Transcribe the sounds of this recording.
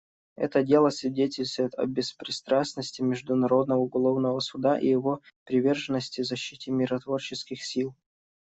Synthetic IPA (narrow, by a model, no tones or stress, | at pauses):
ɛ̰t̪ədʲe̞lˠəsʲvʲɪdʲetʲɪlʲst̪vəjɪt̪ɐ̰bʲɪspɾʲɪst̪ɾasnəsʲtʲɪmʲɪʐd̪ʊnɐɾo̞d̪nəvəʊɡɐlˠo̞vnəvəsʊd̪aʔḭjɪvo̞pɾʲɪvʲe̞rʐɨnːəsʲtʲɪzɐɕːitʲɪmʲɪɾət̪vo̞rt͡ɕɪskʲɪxsʲilˠ